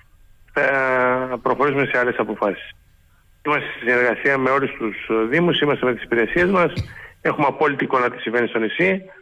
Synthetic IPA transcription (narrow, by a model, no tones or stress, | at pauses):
θɐ | pɾo̞xo̞ɾisume̞se̞ɐle̞sɐpo̞fɐsi̥s | imɐst̪esisine̞ɾɣɐsiɐme̞o̞lust̪usðimusimɐst̪eme̞t̪i̥si̥peɾe̞siezmɐse̞xumeɐpo̞lit̪iːko̞nɐt̪i̥sĩɱve̞nist̪o̞nisi